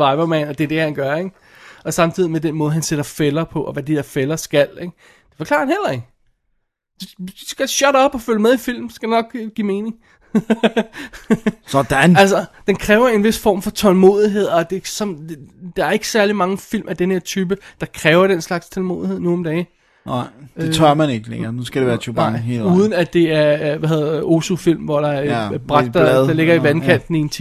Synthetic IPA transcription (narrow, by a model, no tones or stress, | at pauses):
ɑ̈ɪbɐmænɒd̥e̝ɐd̥e̝hænɡ̥ɶɐeɡ̥ | ɒ̽sɑ̈mt͡sʰið̰ˠimed̥enmɔ̽ːð̞̩ˠɦænseɾ̥ɐfelɐpʰɒ̽ʔɒ̽ʋæd̥id̥eɐfelɐsɡ̥æl̰eɡ̥ | d̥e̝fɒ̽kʰlɑ̰̈ɐ̥nhel̰ɐe̝ɡ̥ | d̥esɡ̥æɕœɾɒ̽b̥ɒ̽føləmeðˠifil̰m̩sɡ̥æd̥enɒ̽ɡ̥ɡ̥ime̝ːne̝ŋ | sɒd̥ænæls̬ɐd̥enkʰʁɛːʊɐe̝nʋe̝sfɒ̰ːmfɒ̽t͡sʰɒ̽lmo̝̰ːð̞ˠiɦe̝ð̞̰ˠɒ̽d̥e̝sɒ̽ndd̥ɑ̈æɐe̝ɡ̥ə̥sæɐlimɑ̈ŋəfil̰mʔæd̥enhe̝ɐ̰t͡sʰyːb̥əd̥ɑ̈kʰʁɛːʊɐɾ̥enslɑ̈ɡ̥st͡sʰelmo̝ːðˠie̝ð̰ˠnuɒ̽md̥ɛː | et͡sʰœɐ̰mæneɡ̥əlḛŋɐnusɡ̥æd̥eʋæːɐt͡sʰyb̥aeluːð̞ˠən̩æd̥e̝æɐʋæhe̝ð̰ˠo̝sufil̰mʋɒɾ̥ɑ̈æɐb̥ʁɑɡ̥d̥ɐðd̥ɑ̈le̝ɡ̥ɐiʋænkʰæn̰d̥n̩ie̝nt͡sʰi